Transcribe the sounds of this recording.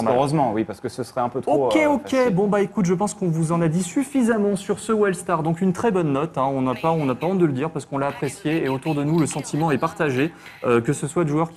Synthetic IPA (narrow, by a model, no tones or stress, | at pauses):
mʁøzmɑ̃wipaʁsə̥kəsəsχɛɛ̃pøt̪okʲeokkʲebɔ̃baekut̪ʒəp̬ɑ̃skɔ̃vuzɑ̃nad̪isyfizamɑ̃syʁsəwɛlst̪aʁd̪ɔ̃kynt̪χɛbɔnːɔt̪ɛ̃ɔ̃napaɔ̃napaɔ̃d̪ələd̪iʁpaʁsə̥kɔ̃laːpχesjeeot̪uʁd̪ənuləsɑ̃t̪imɑ̃ɛpaʁt̪aʒe | økəsəswad̪əʒœʁ